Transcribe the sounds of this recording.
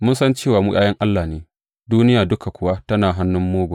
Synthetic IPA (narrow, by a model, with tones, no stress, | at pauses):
mʊ˦nsɐ˦nt͡ʃeː˦˨waː˨mʊ˦jʲʼʔaː˦jɐ˦ŋʔa˦lːaː˨neː˨ | duː˦nɪ˦jaː˨dʊ˦ka˨kʷʊ˨wa˦tɐ˦naː˨ɦa˦nːʊ˦mːoː˦ɡʷa˨